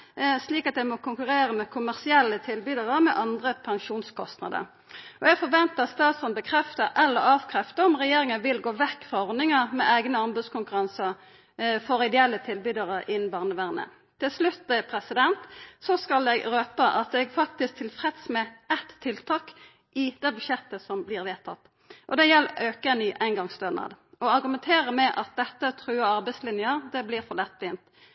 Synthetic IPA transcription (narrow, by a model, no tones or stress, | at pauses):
sliːkɑt̪d̪ɛɡmɔkʊŋkʉʁeːɾəmɛkʰʊmæʁsɪɛlːət̪ʰɪlbyːd̪əʁəmɛʔɑnd̪ʁəpʰɑŋʃuːnskʰɔst̪nɑ̰d̪ə̰ɾ | ʔɔɛɡfɔʋɛnt̪əɑst̪ɑːt̪sɔnbəkʰɾɛft̪əɾʔɛlːəʁɑːʋkʰʁɛft̪əɾɔmʁɛjeːɾɪŋənʋɪlɡoːʋɛkːfʁɑɔʁnɪŋɑmɛʔæɪɡnəɑmbʉːd̪skʊŋkʉɾɑnsə | fɔɾɪd̪ɛɛlːət̪ʰɪlbyːd̪əʁəɪnn̩bɑːʁnəʋæʁnə̰ | t̪ʰːɪlslʉt̪ːɛpʰɾɛsɪd̪ɛnt̪sɔskɑlɛɡɾøːpəʔɑt̪ɛɡfɑk̚t̪ɪsk̚t̪ʰɪlfʁɛt̪smɛɛt̪ʰːɪlt̪ʰɑːk | ʔɪd̪̥ɛbʉʃjɛt̪ːəsɔmblɪːʁʋeːt̪ʰɑt̪ː | ʔɔd̪ɛjɛlːøːkəɛnyːʔæɪnɡɑŋst̪øːnɑ̰d̪ɔɑʁɡʉmɛnt̪ʰeːʁəmɛʔɑt̪̚d̪ɛt̪ːət̪ʰɾʉːəɑʁbɛɪslɪnjəʁd̪ɛbliːʁfɔlɛt̪ːʋiːnt̪